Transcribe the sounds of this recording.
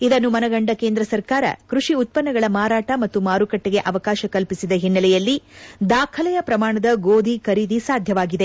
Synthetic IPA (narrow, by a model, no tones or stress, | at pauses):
id̪ɐnːumɐnɐɡɐɳɖɐkeːnd̪ɾɐsɐɾkaːɾɐ̰kɾuʂiut̪̚pɐnːɐɡɐɭɐmaːɾaːʈɐmɐt̪ːumaːɾukɐʈːeɡe̞ʔɐʋɐkaːʃɐkɐlpisid̪ɐɦinːɐlɛjɐlːid̪aːkʰɐlɛjɐpɾɐmaːɳɐd̪ɐɡoːd̪ʱikɐɾid̪isaːd̪ʱjɐʋaːɡid̪e